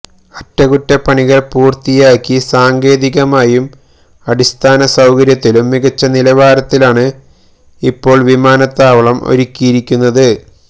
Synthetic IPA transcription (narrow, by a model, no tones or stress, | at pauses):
ɐtːɐɣutːɐpɐɳiɣɐɭpuːrt̪ijaːkːisaːŋɡe̞ːðiɣɐmaːjum | ɐɽist̪ʰaːnɐsɐwkɐɾjɐt̪ːilumːiɣɐt͡ɕːɐnilɐʋaːɾɐt̪ːilaːɳɨ | ipːo̞ːɭʋimaːnɐt̪ːaːʋɐɭɐmo̞̰ɾukʲːijiɾikʲːunːɐðɨ